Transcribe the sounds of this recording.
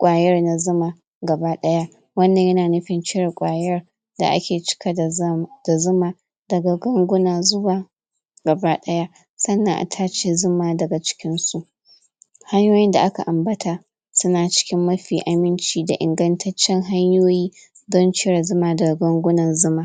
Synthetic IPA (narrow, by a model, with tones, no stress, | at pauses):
kʷʼaː˨jɐ˦rna˨zʊ˦ma˨ | ɡɐ˨baː˦ɗɐ˦ja˦ | wɐ˦nːɐ˨ɲjɐ˦naː˨nʊ˦ɸɪ˨nt͡ʃɪ˦ɽa˨kʷʼaː˨jɐ˦r | da̰˨ʔa̰˦kʲeː˨t͡ʃɪ̥˦ka˦˨d̥a˨zʊ˦ma˨ | dɐ˨ɡa˨ɡɐ˦ŋɡʷʊ˦naː˨zʊ˦waː˨ | ɡ̥ɐ˨baː˦ɗɐ˦ja˦ | sɐ˦nːɐ˨ŋʔa̰˨tʰaː˦t͡ʃeː˦zʊ˦maː˦dɐ˨ɡa˨t͡ʃɪ̥˦kʲɪ˦nsu˦ʔ | ha˦ɲjoː˦jɪ˦nda̰˨ʔa˦ka̰˨ʔa˨mbɐ˦tʰaː˦ | sʊ˦naː˨t͡ʃɪ̥˦kʲɪ˦mːɐ˦ɸiː˨ʔa˨mɪ˦nt͡ʃiː˨da̰˨ʔɪ̰˨ŋɡɐ˦ntʰɐ˦t͡ʃːɛ˦ŋɦa˦ɲjoː˦jiː˦ | dɔ˦nt͡ʃɪ˦ɽa˨zʊ˦maː˨dɐ˨ɡa˨ɡɐ˦ŋɡʷʊ˦nɐ˨nzʊ˦maː˨